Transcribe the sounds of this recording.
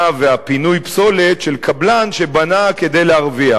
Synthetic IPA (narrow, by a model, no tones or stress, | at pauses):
veapinujpso̞letʃelkʰablanʃe̞banake̞d̪e̞jleaʁvia